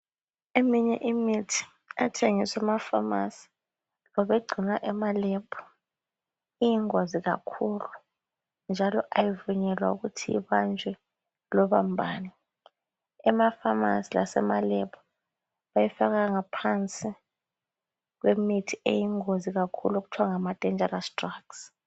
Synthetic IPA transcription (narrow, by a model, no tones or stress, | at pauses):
emiɲɛ̰ʔimitʰi̥ | atʰeŋiswɛmafamasi̥ | lɔɓeɡ͡ǀʱinwaʔɛmalɛpʰu̥ | ijiŋoziɣa̰kʰulu | nd͡ʒʱalɔʔajivuɲɛlwaṵɣutʰijḭβand͡ʒʱwɛ | lɔβambʱaːni | ɛmafama̰sila̰sɛ̰malɛpʰu̥ | βajɛfaɣaŋapʰant͡sʼi | kwemitʰiḛjiŋoziɣakʰṵloɣutʰwaŋamad̥ʼʱɛnd͡ʒʱɛɾastraks